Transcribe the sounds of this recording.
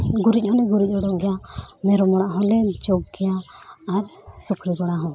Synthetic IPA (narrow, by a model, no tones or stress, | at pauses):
ɡuɾic̚ˀhɔnɛɡuɾic̚ˀɔɽɔʔɡɛjamɛɾɔmɔɽ̃aʔɦɔlɛd͡ʒɔɡ̚ɡɛjaːɾsukɾiɡɔɽaɦɔ̃